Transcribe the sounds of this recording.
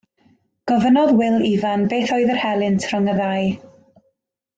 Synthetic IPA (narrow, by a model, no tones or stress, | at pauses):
ɡ̥ɔvənɔðwɪlˠivanbeːθɔɨðərhɛlˠɪntʰrəŋəðaj